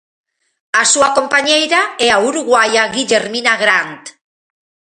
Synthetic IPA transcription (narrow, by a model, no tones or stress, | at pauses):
asuakompaɲejɾaeauɾuɣwajaɣiʎeɾminaɣɾant̪